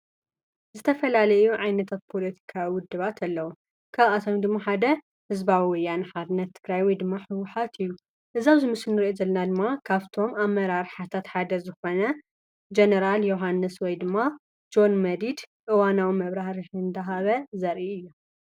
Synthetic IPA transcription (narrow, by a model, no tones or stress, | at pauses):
zɨt̪ʰɐfɐlalɐjuʕajnɐt̪ʰat̪̚pʰolɐt̪ʰi̥kʰawiwʊd̪ːɨβat̪ʰalːɐwu | kʰaβat̪ʰomd̪ɨmːaħad̪ɐ | hɨzbawiwʊjːanħad̪ɨnːɐt̪ʰːɨɡɾajwɔjd̪ɨmːaħɨwːʊħat̪ʰɨjːu | ʔɨzawzɨmɨsɨnːɨɾʔozɐlːɐnad̪ɨmːakʰaβt̪ʰo̞mamːɐɾaɾħat̪ʰat̪ħad̪ɐzɨxo̞nɐ | d͡ʒɐnɐɾaljoɦanːɨswɔjd̪ɨmːa | d͡ʒo̞nmɐd̪id̪ʔɨwanawimɐβɾahɾiħɨnd̪ɐɦaβɐzɐɾʔiɨjːu